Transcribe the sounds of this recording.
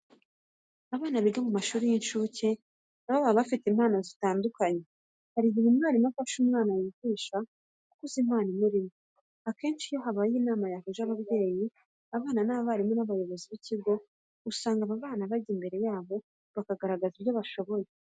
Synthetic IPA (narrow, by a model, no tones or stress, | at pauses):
aβaːnaβiɡamumaʃuːɾijinʃuːce | naβaβaβafitimaːnazitaːndukaɲe̞ | haɾiβimimaɾimafaʃumŋaːnajiviːʃa | kukuzimaːnimuɾimo | ake̞ːnʃijo̞ɦaβajiːnaːmajahuʒaβaβje̞ːji | aβaːnanaːββaɾimo̞naβajo̞βo̞ziβiciɡo̞ | usaːŋɡaβaβaːnaβaɟimbe̞ɾe̞jaːβo̞ | βakaɡaɾaɡaziɾjo̞βaʃo̞βo̞je